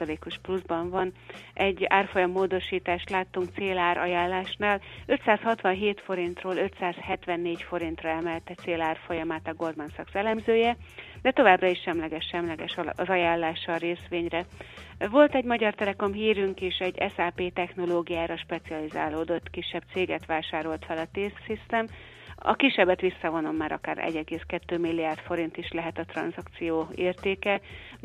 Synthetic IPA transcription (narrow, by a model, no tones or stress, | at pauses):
ɒleːko̞ʃpluzbɒɱvɒnʔɛɟːaːrfo̞jɒmːoːd̪o̞ʃiːt̪aːʃt̪laːt̪ːuŋk̚t̪seːlaːɾʔɒ̰jaːlːaːʃnaːlø̞t̪saːshɒt̪ʋɒnɦeːt̪fo̞ɾint̪roːlø̞t̪saːshɛt̪ʋɛnːeːcfo̞ɾint̪rɒɛmɛlt̪ɛt̪seːlaːrfojɒmaːt̪ɒɡo̞rd̪mansɒksɛlɛmzøːjɛd̪ɛt̪o̞vaːbrɒiʃʃɛmlɛɡɛʃʃɛmlɛɡɛʃzɒjaːlːaːʃɒɾeːsʋeːɲrɛ | vo̞lt̪ɛɟmɒɟɒrt̪ɛlɛko̞mɦiːɾyŋkeːʃɛɟːɛ̰saːpeːt̪ɛxno̞loːɡijaːɾɒʃpɛt̪siɒliza̰ːloːd̪o̞t̪ːkiʃːɛb̥̚t̪seːɡɛt̪ʋaːʃaːɾo̞lt̪fɛlɒt̪eːssist̪ɛm | ɒ̰kiʃːɛbɛt̪ʋisːɒvo̞no̞mːaːɾɒ̰ka̰ːɾɛ̰ɟɛɡeːskɛt̪ːøːmilːiaːrd̪fo̞ɾint̪iʃlɛɦɛt̪ɒt̪rɒ̰nzɒkt̪sijoːeːrt̪eːkɛ